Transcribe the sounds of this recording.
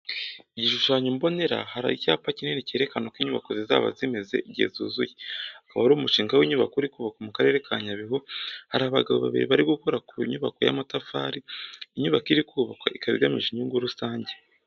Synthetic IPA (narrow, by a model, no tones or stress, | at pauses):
iɟiʃuʃaːɲumbo̞ne̞ɾa̰haɾa̰icaːpacineniceːɾe̞kano̞kwiɲuβakoziza̰ːβa̰zime̞ze̞̰ʔiɟiḛzṵzujeakaβaɾuːmuʃiːŋɡaweiɲuβakouɾikuːβakomukaɾe̞ːɾe̞kʰaːɲaβiɦohaɾaβaɡaβoβa̰βḭɾḭβaɾiɡukoɾakuiɲuβako̞ja̰matafa̰ɾiːɲuβakiɾikuβakwa̰ʔikaβḭɡamiʒiɲuːŋɡuɾusaːɲɟe